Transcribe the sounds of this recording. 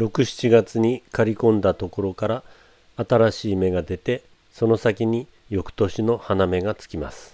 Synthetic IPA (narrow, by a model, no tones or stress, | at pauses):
ɾo̞kɯ̟ɕi̥t͡ɕiɡat͡sɨɲ̟ikaɾʲikõ̞nd̪at̪o̞ko̞ɾo̞kaɾaː | t̪aɾaɕiːme̞ɡad̪e̞t̪e̞ | so̞no̞sakʲiɲ̟i | jo̞kɯ̟̥t̪o̞ɕino̞haname̞ɡat͡sɨ̥kʲima̰sɨ̥